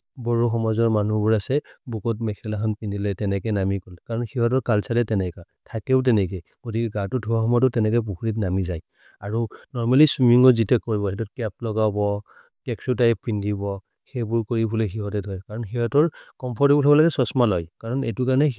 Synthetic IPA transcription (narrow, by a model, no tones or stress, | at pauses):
bɔɹuxɔmɔzɔɹmanubʊɹasɛbukɔtmɛkʰɛlaxʰɔnpindilɛtɛnɛkɔnamikɔlɛkaɹɔnxiɦɔt̬ɔɹkalsalɛtɛnɛka | tʰakɛʊt̬ɛnɛkɛ | ɡ̥otikɛɡatʊdʱuwaxɔmɔtɔtɛnɛkɔjp̬ukʰuɹit̬namizaj | aɹunɔɹmaliswimiŋɔzitɛkoɹibɔɛtɔt̚kɛp̚lɔɡabɔ | kɛksutajpindibɔ | xɛbʊɹkoɹibʱulexiɦɔtɛtɦɔjkaɹɔnxiɦɔtɔɹkɔmpʰɔɹtibɔltʰɔbɔlaɡɛsɔsmalɔjkaɹɔnḛtukaɹnɛ